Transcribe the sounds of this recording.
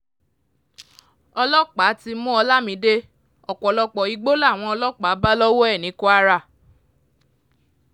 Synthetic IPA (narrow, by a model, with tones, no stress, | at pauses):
ɔ˧lɔ˦k͡pa˨˦ti˧mũ˦ɔ˧la˦mĩ˨˦de˦ | ɔ˨kɔ˨lɔ˧k͡pɔ˨i˨˧˦ɡ͡bo˦la˦˨w̃ɔ̃˧ɔ˧lɔ˦k͡pa˨˦ba˦lɔ˦wɔ˦ɛ˦˨nĩ˨˦ko˦a˧ɾa˦˨